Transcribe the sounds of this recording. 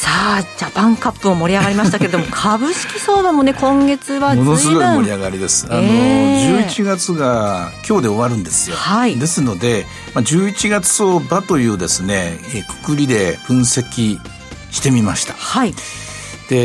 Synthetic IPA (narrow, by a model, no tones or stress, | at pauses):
saːd͡ʑapãŋkapːɯomo̞ɾʲiaɡaɾimaɕiit̪akeɾe̞d̪omokʰabɯ̟ɕi̥kʲiso̞ːd̪ãmone̞kõ̞ŋɡe̞t͡sɨβamo̞nosɨɡo̞immo̞ɾiaɡaɾʲid̪e̞sɨ̥anoʑɨːit͡ɕiɡat͡sɨɡakʲo̞ːd̪e̞o̞βaɾɯ̟̃nd̪e̞sɨjo̞haid̪e̞sɨno̞d̪e̞ | mad͡ʑɨːit͡ɕiɡat͡sɨ̥o̞bat̪o̞jɯ̟ːd̪e̞sɨne̞kɯ̥kɯ̟ɾʲid̪e̞ɸɯ̟̃ɰ̃se̞kʲi | ɕi̥t̪e̞mʲimaɕi̥t̪ahai | d̪̥e̞